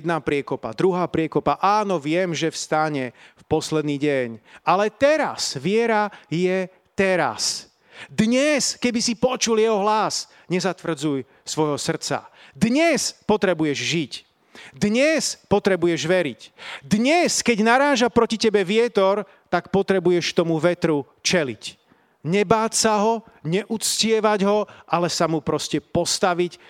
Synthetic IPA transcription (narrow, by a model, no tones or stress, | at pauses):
d̪napɾɪɛkɔpa̰d̪ɾuɦaːpɾɪɛkɔpaʔaːnɔʋɪɛmʒɛfst̪aɲɛfpɔslɛd̪niːɟɛɲalɛt̪ɛɾa̰sʋɪɛɾajɛ | t̪ɛɾa̰s | d̪ɲɛskɛbisipɔt͡ʃuljɛɦɔɦlas | ɲɛzat̪ʋr̩d͡zuj | sʋɔjɦɔsr̩t͡sa̰d̪ɲɛspɔt̪ɾɛbujɛʒʒic | d̪ɲɛspɔt̪ɾɛbujɛʒʋɛɾicd̪ɲɛskɛɟnaɾaːʒapɾɔcicɛbɛʋɪɛt̪ɔɾ | t̪akpɔt̪ɾɛbujɛʃkt̪ɔmuʋɛt̪ɾu | t͡ʃɛlḭc | ɲɛbaːtsaɦɔ | ɲɛʔut͡scɪɛʋaɟɦɔʔalɛsamupɾɔscɛpɔst̪aʋic